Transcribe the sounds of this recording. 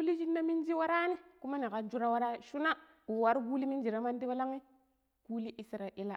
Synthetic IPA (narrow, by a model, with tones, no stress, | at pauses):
u˦li˦d͡ʒi˦nːa˦mi˦n˦d͡ʒi˦wa˦ɾa˦ni˦ku˦ma˦ni˨ka˨d͡ʒu˦ɾa˦wa˦ɾa˦ʃu˦na˦ | u˨wa˨˦ɾɡu˦li˦mi˦nd͡ʒi˨ɾa˦ma˦ndi˦wa˦la˦ŋi˦ | ku˦li˦ʔi˦sɾa˨ʔi˦la˦˨